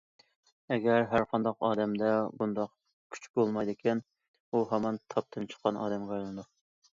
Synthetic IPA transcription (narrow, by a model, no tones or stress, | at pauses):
ɛɡʲæɾɦæɾqʰɑnd̪ɑqɑːd̪ɛmd̪ɛbund̪ɑq | kʲʰy̥t͡ʃbolˠmɑjd̪ɪkʲʰin | uɦɛmɑnt̪ʰɑp̚t̪ʰɨnt͡ʃʰə̥qʰːɑnʔɑ̰ːd̪ɛmɡɛjlˠɨnd̪ʊq